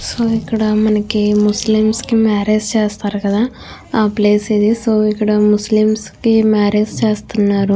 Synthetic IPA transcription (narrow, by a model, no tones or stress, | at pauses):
soːikːɐɽamɐnɐkimuslimskimaːɾeːst͡ʃeːst̪aːɾukɐd̪aː | aːpleːsid̪isoːikːɐɽɐmuslimskimaːɾeːd͡ʒt͡ʃeːst̪unːaːɾu